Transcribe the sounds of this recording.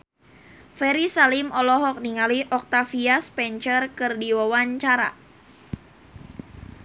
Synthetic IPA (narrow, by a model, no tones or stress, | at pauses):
fɛɾisalimɔlɔɦɔk̚niŋaliʔɔk̚t̪afiaspɛɲt͡ʃərkɨrdiwawaɲt͡ʃaɾa̰